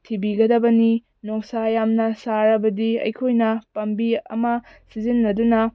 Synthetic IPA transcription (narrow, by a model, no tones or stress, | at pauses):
tʰibiɡɐdɐbɐni | noŋsajamnɐsaɾɐbɐdiɐ̰jkʰojnɐpɐmbiɐ̰mɐ | sizinːɐdunɐ